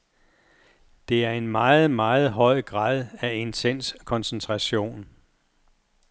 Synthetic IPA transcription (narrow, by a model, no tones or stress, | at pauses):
d̥e̝æɐe̝nmɑ̈ːð̞̩ˠmɑ̈ːð̩ˠɦɒ̽ɪ̰ɡ̥ʁɑ̈ːðˠæe̝nt͡sʰen̰skʰɒ̽nsent͡sʰʁɑ̈ɕo̝̰ːn